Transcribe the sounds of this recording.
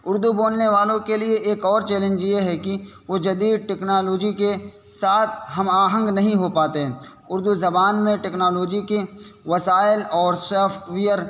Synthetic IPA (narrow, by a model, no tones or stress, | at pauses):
ʊɾd̪uboːlneʋaːlõkelieʔeːkɔːɾt͡ʃɛːlẽnd͡ʒieɦɛkiʋod͡ʒɐd̪iːd̪̚ʈɛːknaːloːd͡ʒike | saːt̪ʰɦɐmaːɦə̃ŋɡnɐɦĩɦopaːt̪eɦɛ̃ː | ʊɾd̪uzɐbaːnmẽʈɛːknaːloːd͡ʒikeʋɐsaːɪlɔːɾsɛːpʰʈʋijəɾ